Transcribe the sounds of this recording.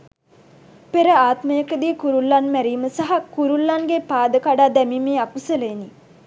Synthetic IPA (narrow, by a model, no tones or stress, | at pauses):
peɾəaːt̪məjəkəd̪iːkuɾulːanmæɾiːməsaɦakuɾulːanɡepaːd̪əkaɖaːd̪æmimeːakusələni